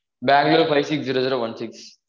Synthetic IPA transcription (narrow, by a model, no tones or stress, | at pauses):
bæ̃ːŋɡlelfʰaɪʋsiksziɾoziɾoʋɐ̃nsiks